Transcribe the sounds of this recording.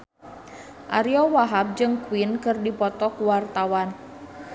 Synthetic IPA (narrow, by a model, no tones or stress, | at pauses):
ʔa̰ɾiɔwaɦap̚d͡ʒɨŋkuwinkɨrdipɔt̪ɔkuwart̪awan